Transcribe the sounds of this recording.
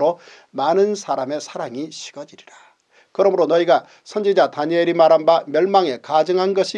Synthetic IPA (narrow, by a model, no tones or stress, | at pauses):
ɾo | manɯnsʰaɾame̞sʰaɾaŋiɕʰi̥ɡ̥ʌd͡ʑiɾiɾa | kɯɾʌmɯɾonʌiɡa | sʰʌnd͡ʑid͡ʑataɲeɾimaɾanamjʌɭmaŋe̞kad͡ʑɯŋɦanɡʌɕʰi